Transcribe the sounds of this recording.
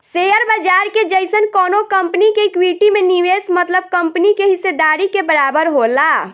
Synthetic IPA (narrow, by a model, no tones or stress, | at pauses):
sejəɾbəd͡ʒaɾked͡ʒəɪsənkɔnokəmpnikekwiʈimeniʋesmət̪ləb̚kəmpnikeɦised̪aɾikebəɾabəɾɦola